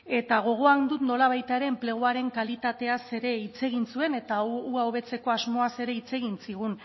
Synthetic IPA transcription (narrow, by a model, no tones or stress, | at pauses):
e̞t̪aɣ̞o̞ɣ̞o̞and̪ut̪no̞laβ̞ajt̪aeɾe̞ːmple̞ɣ̞uaɾe̞ŋkalit̪at̪e̞ase̞ɾe̞it͡se̞ɣ̞insue̞ne̞t̪auaoβ̞e̞t͡se̞ko̞azmo̞ase̞ɾe̞it͡se̞ɣ̞insiɣ̞un